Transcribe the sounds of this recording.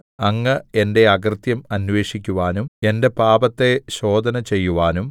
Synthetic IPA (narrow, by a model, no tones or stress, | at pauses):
ɐŋːɐende̞ɐɡrɨt̪jɐmɐnʋe̞ːʂikʲːuʋaːnume̞nde̞paːbɐt̪ːe̞ɕo̞ːd̪ʱɐnɐt͡ɕe̞jːuʋaːnum